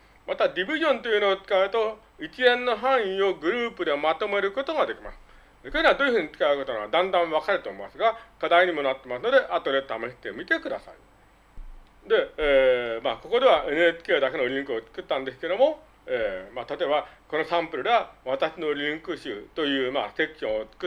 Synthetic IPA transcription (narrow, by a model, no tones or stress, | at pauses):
mat̪ad̪ʲibʲiʑõ̞nt̪o̞jɯ̟no̞ːt͡sɨ̥kaɯ̟t̪o̞ | it͡ɕiẽ̞nːo̞ɦãɰ̃ĩo̞ɡɯ̟ɾɯːpɯ̟d̪e̞mat̪o̞me̞ɾɯ̟ko̞t̪o̞ɡad̪e̞kʲima̰sɨ̥ | koɾenaad̪oːjɯ̟ɸɯ̟ɲ̟it͡sɨ̥kaɯɯko̞t̪onoad̪ãnd̪ãɰ̃βakaɾɯ̟t̪o̞ːmoasɨɡakad̪aiɲ̟imo̞nat̪ːe̞masɨno̞d̪e̞ʔat̪oɾet̪ameɕi̥t̪e̞mʲit̪e̞kɯd̪asa̰ḭ | d̪e̞ː | ma̰ːko̞ko̞d̪e̞β̞aʔe̞nɯ̟et͡ɕi̥ke̞ːd̪ake̞no̞ɾʲĩŋkɯ̟ot͡sɨ̥kɯ̟t̪ːãnd̪e̞s̬ɨ̥ke̞d̪o̞mo̞ | eːmat̪at̪o̞ebako̞nosãmpɯ̟ɾɯd̪eaβat̪aɕino̞ɾʲĩŋkɯ̟ɕɨ̰ːt̪o̞jɯ̟ːma̰se̞kʲiɕõot͡sɨ̥kɯ